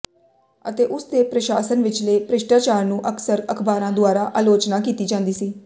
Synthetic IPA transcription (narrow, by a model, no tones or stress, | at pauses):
ət̪eːʔʊsd̪eːpɾəʃaːsənʋɪt͡ʃleːpɾɪʃʈaːt͡ʃaːɾnũːʔəkʰsəɾəkʰbaːɾãːd̪ʊaːɾaːʔaːloːt͡ʃnaːkiːt̪iːd͡ʒãːnd̪iːsiː